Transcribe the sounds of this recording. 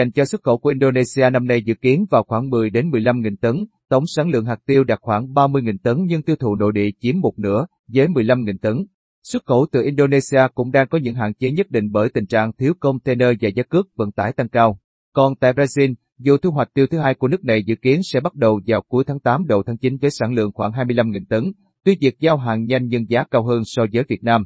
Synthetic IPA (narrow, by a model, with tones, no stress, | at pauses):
a˨˩jŋ̟t͡ɕɔ˧swt̚xə̰˧˩ku˧˩ʔi˧nɗo˧ne˧si˧aː˧na˧mna˧jzɨ̰˧˨ki˨˦ənvaː˨˩wxwaː˧˩ŋmɨ˨˩əjɗe˨˦nmɨ˨˩əjla˧mŋḭ˨˩nt̪ə˨˦n | t̪ə˨˦wŋ͡msaː˨˦ŋlɨ̰˧˨əŋɦaː˨˩k̚t̪i˧əwɗa˨˩k̚xwaː˧˩ŋɓaː˧mɨ˧əjŋi˨˩nt̪ə˨˦nɲɨ˧ŋt̪i˧əwt̪ʰṵ˧˩no̰˧˨jɗḭ˧˨t͡ɕi˨˦əmːo˨˩t̚nɨ̰˧˥ə | zəː˨˦jmɨ˨˩əjla˧mŋḭ˨˩nt̪ə˨˦n | swə˦˥t̚xə˧˩wt̪ɨ̰˧˩ʔi˧nɗo˧ne˧si˧aː˧kʊ̰˧˥ŋ͡mɗaː˧ŋkɔ˨˦ɲɨ̰˧˥ŋɦa̰ː˧˨nt͡ɕe˨˦ɲə˦˥t̚ɗḭ˧˨ŋ̟ɓəː˧˩jt̪ï˨˩ŋ̟t͡ɕa̰ː˧˨ŋt̪ʰi˨˦wkə˧wŋ͡mt̪ʰe˧nəː˧vaː˨˩zaː˨˦kɨ˦˥ək̚və̰˧˥nt̪aː˧˩jt̪a˧ŋkaː˧w | kɔ˨˩nt̪a̰ː˧˨jbɾaː˧zi˧n | zṵ˨˩t̪ʰu˧ɦwa˨˩j̚t̪i˧wt̪ʰɨ˨˦ɦaː˧jku˧˩ənɨ˦˥ək̚na˨˩jzɨ̰˧˥ki˨˦ənsɛ̰˧˥ɓa˦˥t̚ɗə˨˩wzaː˨˩wku˨˦əjt̪ʰaː˨˦ŋt̪aː˨˦mɗə˨˩wt̪ʰaː˨˦ŋt͡ɕi˨˦nvəː˨˦jsaː˧˩nlɨ̰˧˨əŋxwaː˧˩ŋɦaː˧jmɨ˧jla˧mŋḭ˨˩nt̪ə˨˦ŋ | t̪wi˧nvi˨˩ək̚zaː˧wɦaː˨nɲa˧jŋ̟ɲə˧nzaː˨˦kaː˧wɦəː˧nsɔ˧zəː˨˦jvi˨˩ət̚naː˧m